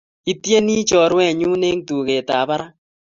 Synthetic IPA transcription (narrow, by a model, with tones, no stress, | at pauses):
i˦tje˦ni˦t͡ʃɔ˨ɾwɛ˦˨ɲuː˦ne˦ŋtu˨ke˨taː˨pa˦ɾa˦